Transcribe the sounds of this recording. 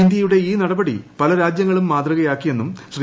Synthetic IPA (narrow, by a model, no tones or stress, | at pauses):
ind̪jɐjuɽe̞iːnɐɽɐbɐɽḭpɐlɐɾaːd͡ʑjɐŋːɐɭumːaːd̪rɐɣɐjaːkːije̞nːumɕri